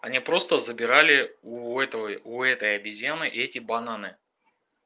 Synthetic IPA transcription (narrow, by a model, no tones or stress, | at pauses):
ɐ̰nʲipɾo̞st̪əzəbʲɪɾalʲɪuɛt̪əʊɛt̪əjɐbʲɪzʲjanɨʔɛtʲɪbɐnanɨ